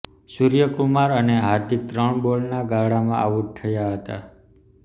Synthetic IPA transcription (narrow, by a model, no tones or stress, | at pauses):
suɾjəkumaɾəneɦaɾd̪ik̚t̪ɾəɳboɭnaɡaɽamã̰a̰ʋuʈ̚t̪ʰːəjaɦət̪a̰